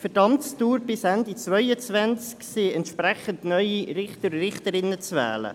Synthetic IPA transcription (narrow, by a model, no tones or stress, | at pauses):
fɛdɑmtstuːɾbɪsænd̪it͡svœʏət͡svænt͡sksɪɛntʃpɾæχəndnœʏiɾɪχtərrɪχt̪əɾɪnət͡svɛ̰ːlə̰